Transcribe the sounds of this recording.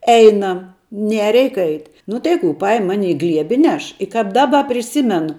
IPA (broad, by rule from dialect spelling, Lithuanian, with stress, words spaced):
ˈɛɪnɐm ˈnʲɛ ˈrʲɛɪk ˈɐɪtʲ nʊ tɐɪ ˈkuː ˈpɐɪm ˈmɑːnʲɪ ɪ ˈɡlʲiɛbʲɪ ɪ ˈnʲɛʃ ɪ kɐp ˈdɑːbɐ pʲrʲɪˈsʲɪmʲɛnʊ